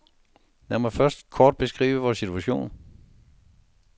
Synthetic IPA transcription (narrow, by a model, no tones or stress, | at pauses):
næɐmæfɶɐsd̥kʰɒːd̥̚b̥e̝sɡ̥ʁḭːʋəʋɒːsit͡sʰuæɕo̝̰ːn